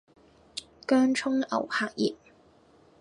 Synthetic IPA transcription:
kœː˥ŋt͡ʃʰʊ˥ŋɐ̰˨˩whaː˧k̚jḭː˨˩t̚

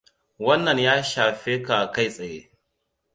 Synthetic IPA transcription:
wɐ˦nːɐ˨ɲjaː˦ʃaː˨ɸeː˦ka˨ka˦˨jsʼɐ˨jḛː˦

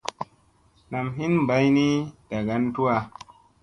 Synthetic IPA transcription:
na˨mɦi˦n˨ba˨˦jni˦d̥a˨ɡa˦ntu˦wa˨

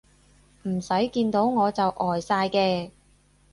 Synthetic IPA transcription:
m̩˨˩sɐ˨˥jkiː˧nt̪o˨˥wŋɔː˨˧t͡sɐ˨wʔɔː˨˩jsaː˧jkɛː˧

